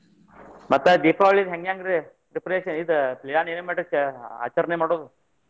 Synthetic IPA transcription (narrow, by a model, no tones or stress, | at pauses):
mɐt̪ːɐd̪iːpaːʋɐɭid̪ɦeŋɡjaːŋɡɾe | ɾipɾeːʃɐnid̪pliaːneːnumeʈɐa̰ːt͡ʃɐɾɐnemaːɽoːd̪u